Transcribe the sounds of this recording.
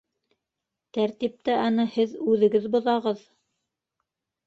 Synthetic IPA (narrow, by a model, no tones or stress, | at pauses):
t̪æɾt̪ip̚t̪ɘʔɑnɤhɘðʉðɘ̆ɡɘðbŏðɑʁɤð